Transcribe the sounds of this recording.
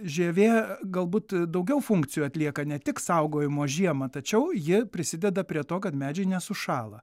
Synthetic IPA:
ʒʲeːʋʲeːɡɐlˠbuːt̪d̪ɐʊɡʲɛʊfʊŋkt͡s̪ʲɪjuːɐtʲlʲiɛkɐnʲɛt̪ʲɪksɐʊɡoːjɪmoːʒʲiɛmɐt̪ɐt͡ʃʲɛʊjɪpʲɾʲɪsʲɪd̪ʲɛd̪ɐpʲɾʲiɛt̪oːkɐt̪mʲæːd͡ʒʲɛɪnʲɛsʊʃɑːlˠɐ

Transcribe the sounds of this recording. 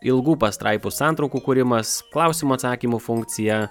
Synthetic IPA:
ɪlˠɡuːpɐst̪ɾʔɑɪpʊsɑːnt̪ɾɐʊkuːkuɾʲɪmɐsklˠɑˑʊsʲimuɐt̪sɑːkʲiːmufʊŋʲk̚t̪sʲɪjɛ

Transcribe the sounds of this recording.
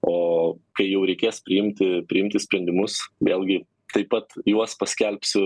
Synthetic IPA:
oːkɐɪjɛʊɾʲɛɪkʲeːspʲɾʲɪɪmʲt̪ʲɪpʲɾʲɪɪmʲt̪ʲɪsʲpʲɾʲɛnʲd̪ʲɪmʊsʋʲeːlʲˠɡʲɪ | t̪ɐɪpːɐt̪juɔspɐsʲkʲɛlʲpʲsʲʊ

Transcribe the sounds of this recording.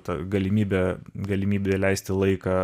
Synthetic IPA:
t̪ɐɡɐlʲɪmʲiːbʲɛɡɐlʲɪmʲiːbʲɛlʲæɪsʲt̪ʲɪlˠɐɪkɑ

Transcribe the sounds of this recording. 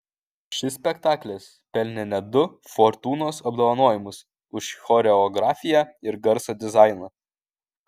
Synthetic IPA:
ʃʲɪsʲpʲɛkt̪ɑːklʲɛs | pʲɛlʲnʲɛnʲɛd̪ʊ | fɔɾt̪uːnoːsɐbd̪oːʋɐnoːjɪmʊs | ʊʃxɔɾʲɛɔɡɾɑːfʲɪjæːɪɾɡɐɾsoːd̪ʲɪzɑˑɪnɑ

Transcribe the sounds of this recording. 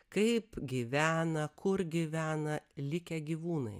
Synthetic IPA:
kɐɪpɡʲiʋʲæːnɐkʰʊɾɡʲiʋʲæːnɐlʲɪkʲɛɡʲiːʋuːnɐɪ

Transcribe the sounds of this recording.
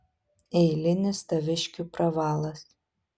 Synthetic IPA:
ɛɪlʲɪnʲɪst̪ɐʋʲɪʃʲkʲupɾɐʋɑːlˠɐs

